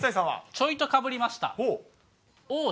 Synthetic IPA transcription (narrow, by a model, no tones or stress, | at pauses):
t̪aisãa̰t͡ɕo̞it̪o̞kabɯ̟ɾʲimaɕi̥t̪a̰o | oː